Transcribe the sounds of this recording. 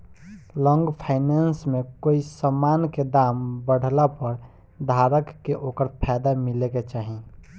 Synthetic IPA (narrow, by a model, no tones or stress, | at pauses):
lɔ̃ːŋɡpʰaɪnansmekoːisəmaːnked̪aːmbəɽ̤ʱlapəɾ | d̪ʱaɾəkːeʔoːkəɾpʰajd̪amileket͡ʃaːɦi